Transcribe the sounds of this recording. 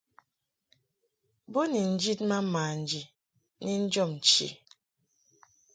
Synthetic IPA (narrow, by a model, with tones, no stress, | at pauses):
bo˦ni˨n̩˦d͡ʒi˦tma˦maː˨n̩˨d͡ʒi˨ | ni˦n̩˦d͡ʒɔ˦˨mn̩˨t͡ʃḭ˨